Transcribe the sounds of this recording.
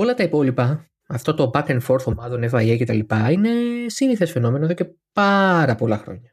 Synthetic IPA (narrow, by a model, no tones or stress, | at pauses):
o̞lɐt̪ɐipo̞lipɐ | ɐft̪o̞t̪o̞bɐkenfo̞ɾθo̞mɐðonefɐjece̞t̪ɐlipɐine̞siniθesfe̞no̞menɐeðo̞ce̞pɐɾɐpo̞lɐxɾo̞̰ɲɐ